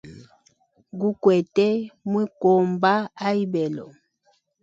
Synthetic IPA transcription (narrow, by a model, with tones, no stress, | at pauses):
ɡu˦kwɛ˨tɛ˦mwi˦kɔ˨mba˦a˦i˦bɛ˨lɔ̰˨